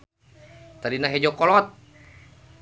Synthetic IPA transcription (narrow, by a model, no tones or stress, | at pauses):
t̪adinaɦed͡ʒɔkɔlɔt̪̚